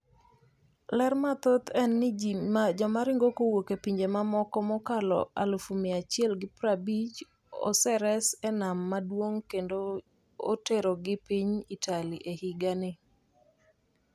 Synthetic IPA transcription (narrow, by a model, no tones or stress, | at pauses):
lɛrmat̪ot̪ɛnːɪd͡ʒɔmaɾɪŋɡokowokepiɲd͡ʒemamɔkɔmɔkalɔ̰a̰lufumɪat͡ʃɪɛlɡɪpɾabid͡ʒ | ɔ̰sɛɾɛsɛnamːadwoŋkendo | o̰teɾoɡɪpiɲitʰaliʔehiɡanɪ